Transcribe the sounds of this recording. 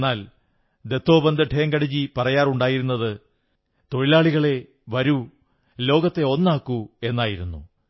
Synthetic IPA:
aːl | d̪e̞t̪ːo̞ːbɐnd̪ɐʈʰeːŋɡɐɽid͡ʑipɐrɐjaːruɳɖaːjiɾunːɐðɨ | t̪o̞ɻilaːɭiɣɐɭe̞ | ʋɐɾu | lo̞ːɡɐt̪ːe̞o̞nːaːkːue̞nːaːjiɾunːu

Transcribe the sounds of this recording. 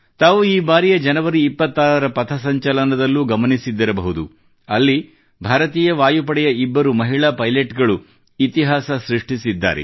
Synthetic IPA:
t̪aːʋuiːbaːɾijɐd͡ʒɐnɐʋɐɾiːpːɐt̪ːaːɾɐɾɐpɐt̪ʰɐsɐɲt͡ʃɐlɐnɐd̪ɐlːuɡɐmɐnisid̪ːɐɾɐbɐɦud̪ṵ | ɐlːi | bʱaːɾɐt̪iːjɐʋaːjup̬ɐɽɛjɐibːɐɾumɐɦiɭaːpɐjleʈɡɐɭu | it̪iɦaːsɐsɾiʂʈisid̪ːa̰ːɾḛ

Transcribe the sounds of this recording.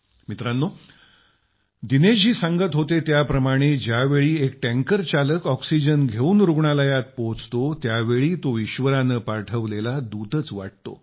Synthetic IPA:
mit̪ɾanːo | d̪ined͡ʑiːsãŋɡət̪ɦot̪et̪japɾəmaɽ̃ed͡ʑjaʋeɭiːek̚ʈɛ̃ŋkəɾt͡ɕaləkɔksid͡ʑənɡʱeuːnɾuɡɳaləjat̪̚poɦt͡st̪ot̪jaʋeɭiːt̪oiɕʋəɾanəpaɾʈʰəʋlelad̪ut̪ət͡sʋa̰ʈ̚t̪o̰

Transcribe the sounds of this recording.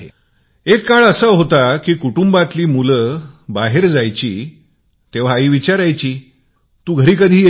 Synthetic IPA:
ḛ | ekːaɭəsəɦot̪akiːkuʈumbat̪liːmuləbaɦeɾd͡zajt͡ɕḭː | t̪eʋ̤aːiʋit͡ɕaɾajt͡ɕiː | t̪uːɡʱəɾiːkəd̪ʱiː

